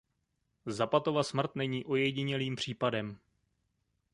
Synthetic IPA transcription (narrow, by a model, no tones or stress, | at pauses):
zapat̪o̞vasmr̩t̪nɛɲiːʔo̞jɛɟɪɲɛliːmpr̝̥iːpadɛm